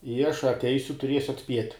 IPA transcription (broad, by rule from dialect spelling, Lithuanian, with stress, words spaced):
ɪ ɐʃ ɐtʲˈɛɪsʲʊ tʊˈrʲiɛsʲʊ ɐtʲˈsʲpʲiɛtʲ